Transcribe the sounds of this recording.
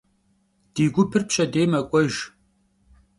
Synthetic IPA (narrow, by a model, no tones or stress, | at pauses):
d̥iːɡʷʊpʰɨrpɕʼɐdeːmɐkʷʼɔʒ